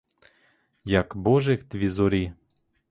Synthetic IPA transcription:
jakboʒext̪vʲizoɾʲi

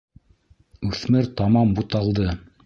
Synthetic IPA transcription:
ʉθmɘɾt̪ɑmɑmbut̪ɑlˠd̪ɤ

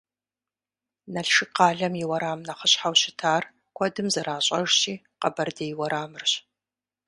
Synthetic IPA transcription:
nɐɬʂɨqɑːɮɐmjɪwɐɾaːmnɐχəɕħawɕɪtʰaːr | kʷʰɔdɨmzɐɾaːɕʼɐʒɕʼiː | qɐbɐrdɐjwɐɾaːmɨrɕ

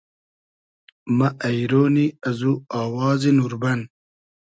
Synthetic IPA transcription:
mɐʔɐjɾoːniɐzuaːwɑːzinuɾbɐn

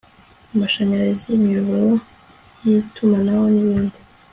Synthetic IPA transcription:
umaʃaɲaɾazimiuβoo | jitʰumanawoniβiːndi

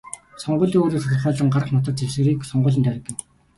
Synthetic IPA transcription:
sɔɴɢʊːɮiːŋoːɾiːsʰatə̆χɔːɮə̆ŋɢarəχnʊt̪ə̆t̪t͡sewsɘ̆ɾiːksɔɴɢʊːɮ̆nt̪ʰæɾə̆kːɪ̆w

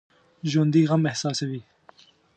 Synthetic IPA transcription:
ʒɐnd̪iːɣɐmehsɑːsɐwiː

